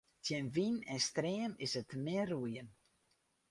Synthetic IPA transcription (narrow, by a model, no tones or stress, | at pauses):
tʰjɛnʋinɛnstreːəmɪsətmɪrujən